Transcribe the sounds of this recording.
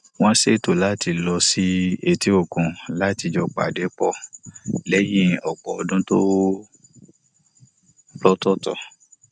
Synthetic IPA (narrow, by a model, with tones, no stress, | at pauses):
w̃ɔ̃˦se˦˨to˨la˨˦ti˧lɔ˧si˦e˨ti˦o˦˨kũ˨la˨˦ti˧d͡ʒɔ˧k͡pa̰˨de˨˦k͡pɔ˦˨lɛ˨˦jĩ˦˨ɔ˨k͡pɔ˨ɔ˧dũ˦to˦ | lɔ˦tɔ˦˨tɔ̰˨